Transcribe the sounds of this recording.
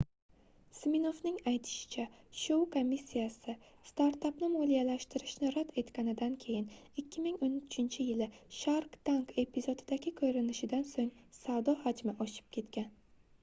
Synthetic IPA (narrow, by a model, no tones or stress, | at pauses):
smino̞vnɪŋajt̪ʰɪ̥ʃɪ̥t͡ʃʰaʃowkʰomːisʲːijasɪ | st̪aɾt̪apnɪmolijalaʃt̪ɪɾɪʃnɪɾad̪e̞t̪kʲanɪd̪ankʲʰe̞jɪnɪkʲʰːɪmɪŋonʊt͡ʃʰɪnt͡ʃʰɪjɪlɪʃaɾqt̪ʰanke̞pʰizo̞d̪ɪd̪aɡʲɪkʰɵjɾɪnɪʃɪd̪ansoŋsawd̪ɒhad͡ʒmɪʔɒʃɪ̥p̚kʲʰe̞t̪kʲan